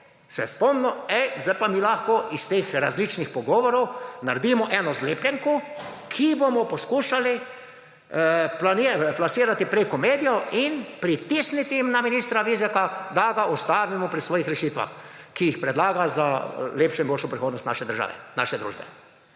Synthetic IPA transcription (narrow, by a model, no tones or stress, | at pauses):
sɛ̰spɔmnɔɛzd̪ajpamiːlaxkɔʔist̪eːxɾazlit͡ʃnixpɔɡɔːʋɔɾɔwnaɾd̪iːmɔʔɛnɔzleːplʲɛŋku | kʰibomɔpɔskuːʃali | planiplasiːɾat̪ipɾekɔmeːd̪ijɔinpɾit̪isnit̪iimnaminiːst̪ɾaʋizɛkad̪aɡaʔɔst̪aːʋimɔpɾisʋɔːjixɾɛʃiːt̪ʋa̰x | kijixpɾɛd̪laːɡazaleːpʃɔimbolʃɔpɾixoːd̪nɔst̪na̰ʃɛd̪əɾʒa̰ːʋɛ̰naʃɛd̪ɾṵːʒbɛ̰